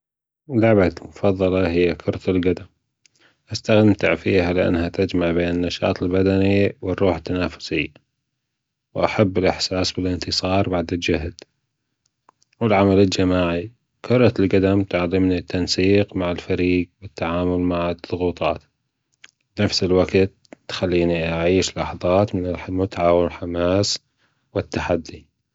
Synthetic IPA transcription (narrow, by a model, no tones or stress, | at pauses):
lʊʕbamʊfɑðˤːɑlɑɦɪjːakʰʊɾˤɑt̪alɡad̪am | ʔast̪aɣd̪ɪmt̪aʕfiːhalɪʔa̰nːhat̪ad͡ʒmaʕbeːnɪnːaʃɑ̰ːt̪ˤɪlbad̪aniwɪrˤːuːħɪt̪ːanaːfʊ̥sɪ̰jːa | wʔaħabːɪlʔɪħsaːsbɪlɪnt̪ɨsˤɑːɾˤbaʕd̪ɪld͡ʒaɦd̪ | wɪlʕamalɪld͡ʒamaːʕi | kʰʊɾˤɑt̪lɡad̪amt̪ʊʕlɪmnit̪ːansiːqmaʕɪlfaɾiːɡbɪt̪ːaʕaːmʊlmaʕɪðˤʊɣuːt̪ˤɑ̰ːt̪ | bnafsɪlwaɡt̪ː | xalːiːniʔaʕiːʃlːɑħɑðˤɑːt̪mɪnɪlħmʊt̪ʕawɪlħamaːs | wɪt̪ːaħad̪ːi